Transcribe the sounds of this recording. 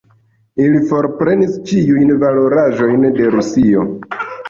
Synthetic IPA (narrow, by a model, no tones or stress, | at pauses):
ilifo̞ɾpɾe̞nist͡ʃiujnvalo̞ɾaʒo̞jnde̞ɾusio̞